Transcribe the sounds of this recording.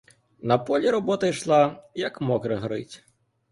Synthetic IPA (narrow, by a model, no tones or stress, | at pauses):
nɐpɔlʲiɾɔbɔt̪ɐjʃlˠɑjɐkmɔkɾɐɦɾɪ̰tʲ